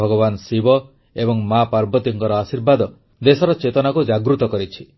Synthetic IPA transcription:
ɔɡɔbansibɔ | ebɔŋmapaɾbɔt̪iŋkɔɾɔasiɾbad̪ɔ | d̪esɔɾɔt͡ʃet̪ɔnakud͡ʒaɡɾut̪ɔkɔɾit͡ʃʰi̥

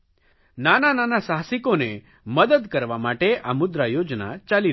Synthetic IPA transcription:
nanananasaɦsikone | məd̪əd̪kəɾʋamaʈeʔamud̪ɾajod͡ʒna̰t͡ʃali

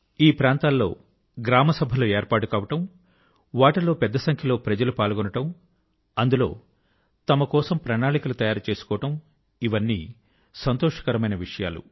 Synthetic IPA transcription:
iːpɾaːnt̪aːlːo̞ː | ɡɾaːmɐsɐbʱɐloːeːɾpaːʈukaːʋɐʈɐm | ʋaːʈɐlo̞ːpɛd̪ːɐsɐŋkʰjɐloːpɾɐd͡ʒɐlupaːlɡɔnɐʈɐm | ɐnd̪ulo̞̰ː | t̪ɐmɐkɔːsɐmpɾɐnaːɭikɐlut̪ɐjaːɾut͡ʃe̞ːsu̥kɔːɐʈɐm | iʋɐnːḭː | sɐnt̪oɔːʂɐ̥kɐɾɐmɐjnɐʋiʂɐja̰ːlṵ

